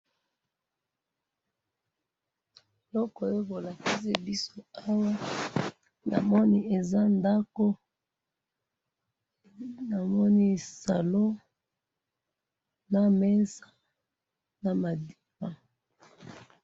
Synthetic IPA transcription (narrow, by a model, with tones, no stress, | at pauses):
lɔ˦kɔ˨jo˦bo˨la˨ki˦se˦bi˦so˦a˦wa˦ | na̰˨mɔ˦ni˦e˨za˦nda˦ko˦ | na˨mɔ˦ni˦sa˨lo˦ | na˦mɛ˦nsa˦ | na˨ma˨di˦pa˨